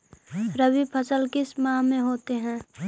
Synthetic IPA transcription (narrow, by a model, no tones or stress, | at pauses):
ɾəbipʰɐsəlkɪsmãːmẽɦoːt̪eɦɛ̃ː